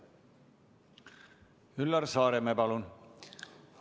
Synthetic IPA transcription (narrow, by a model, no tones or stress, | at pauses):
ylːɑɾsɑːɾemepɑlun